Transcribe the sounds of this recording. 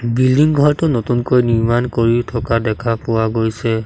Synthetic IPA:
bildiŋɡʱɔɹtʊnotunkojniɹmankoɹitʰɔkadɛkʰapʊwaɡojsɛ

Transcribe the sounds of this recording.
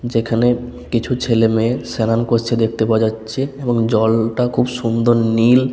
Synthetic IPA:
d͡ʑekʰane | kit͡ɕʰut͡ɕʰelemesenankoɾt͡ɕʰed̪ek̚ʰt̪epaad͡ʑatːɕʰeeboŋd͡ʑɔlʈakʰubʃumd̪ʱoɾnil

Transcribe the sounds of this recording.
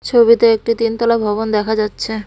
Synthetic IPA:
t͡ɕʰobit̪eek̚ʈit̪int̪ɔlabʱɔbond̪ɛkʰad͡ʑatːɕʰe

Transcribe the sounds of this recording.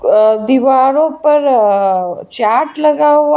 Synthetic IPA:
d̪iʋaɾopɐɾ | t͡ʃaːʈləɡaʋ

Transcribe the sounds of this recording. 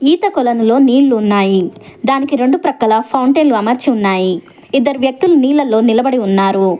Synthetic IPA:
iːt̪ɐkɔlɐnulo̞ːniːɭːuːnːaːjid̪aːnikiɾe̞ɳɖupɾɐkːɐlɐpʰɐwɳʈeːnluɐmɐɾt͡ʃiunːaːji | id̪ːɐɾuʋjɐk̚t̪uluniːlːɐlːo̞ːnilɐbɐɽiunːaːɾu

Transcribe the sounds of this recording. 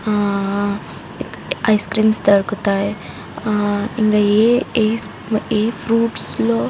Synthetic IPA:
ɐjskɾiːmst̪ɐɾkut̪aːj | iŋɡaee | eːpʰɾuːʈsloː

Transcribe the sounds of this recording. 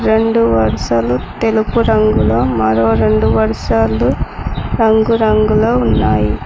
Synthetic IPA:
ɾeɳɖɯʋɐɾɐsɐlut̪ɛlupːɯɾɐŋɡɯlomɐɾoːɾeɳɖɯʋɐɾɐsaːlɯɾɐŋɡɯɾɐŋɡɯlɐunːaːji

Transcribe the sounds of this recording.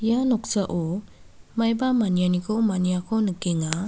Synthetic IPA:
janɔk̚saʔɔ | majbamanijanikʰɔmaniakʰɔnɯkeŋa

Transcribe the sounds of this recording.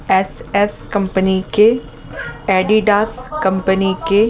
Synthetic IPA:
ɛsɛskɐ̃mpənike | ɛːɖiɖaːskɐ̃mpənike

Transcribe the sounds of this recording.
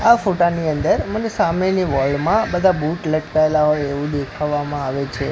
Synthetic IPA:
afoʈaniənd̪əɾmənesameniʋɔlɖmãbəd̪ʱabuʈləʈkaelaɦojeʋũd̪ekʰaʋːamãaʋet͡ʃʰe

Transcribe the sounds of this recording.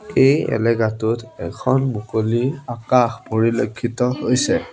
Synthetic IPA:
ejɛ̰lɛɡatutɛkʰɔnmukoliakaxpoɹilokʰːitɔɦojsɛ

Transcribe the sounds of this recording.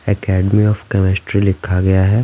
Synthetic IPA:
ɛkɛːɖmiɔːfkɛmɪsʈɾilɪkʰːaɡɐjaɦɛː

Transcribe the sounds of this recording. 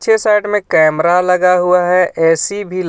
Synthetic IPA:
ʃʰesaːɪɖmẽkɛːmɾaləɡaɦʊaɦɛɛːsibʱil

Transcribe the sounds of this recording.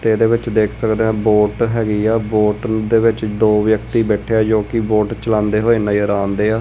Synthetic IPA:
t̪eːd̪eːʋɪt͡ʃd̪eːkʰsəkd̪eːãːboːʈɦɛːɡiːaːboːʈd̪eːʋɪt͡ʃd̪oːʋjəkt̪iːbɛːʈʰejaːd͡ʒõːkɪboːʈt͡ʃəlãːnd̪eːɦoːeːnaiəɾaːnd̪eːaː

